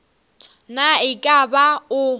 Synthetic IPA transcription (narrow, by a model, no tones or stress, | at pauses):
naɪkʼabaʊ